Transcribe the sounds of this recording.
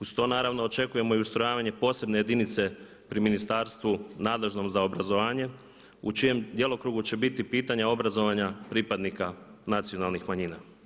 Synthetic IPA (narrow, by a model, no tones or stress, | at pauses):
ust̪o̞ːnaːɾaʋno̞ːt͡ʃe̞kuje̞mo̞iust̪ɾo̞jaːʋaɲe̞po̞ːse̞bne̞je̞d̪init̪se̞ | pɾiminist̪aːɾst̪ʋunaːd̪leʒno̞mzaobɾazo̞ʋaːɲe̞ | ut͡ʃije̞md̪je̞lˠo̞kɾuːɡut͡ɕe̞bit̪ipiːt̪aɲao̞bɾazo̞ʋaɲapɾipad̪nikanat̪sijo̞nalˠnixmaɲiːna